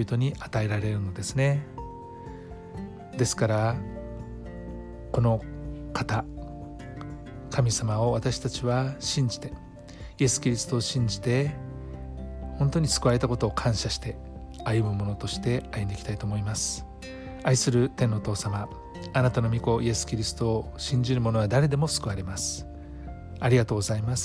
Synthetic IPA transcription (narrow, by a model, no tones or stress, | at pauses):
bit̪o̞ɲ̟iʔat̪ae̞ɾaɾe̞ɾɯ̟no̞d̪e̞sɨne̞ | d̪e̞sɨ̥kaɾa | ko̞no̞kʰat̪a | kʰamʲisamao̞βat̪aɕi̥t̪at͡ɕiβaɕĩɲ̟d͡ʑi̥t̪e̞ | ie̞sɨ̥kʲiɾʲisɨ̥t̪o̞ːɕĩɲ̟d͡ʑi̥t̪e̞ | hõ̞nt̪o̞ɲ̟isɨ̥kɯaɾe̞t̪ako̞t̪o̞ːkʰãɰ̃ɕaɕi̥t̪e̞ | ajɯ̟mɯ̟mo̞no̞t̪o̞ɕi̥t̪e̞ajɯ̃nd̪ekʲi̥t̪ait̪oːmo̞imasɨ̥ | aisɨɾɯ̟t̪e̞nːo̞oːt̪o̞ːsama | anat̪ano̞mʲiko̞ʔie̞sɨ̥kʲiɾʲisɨ̥t̪o̞ː | ɕĩɲ̟d͡ʑiɾɯmo̞no̞βad̪aɾe̞d̪e̞mo̞sɨ̥kɯβaɾe̞masɨ̥ | aɾʲiɡat̪o̞ːɡozaimas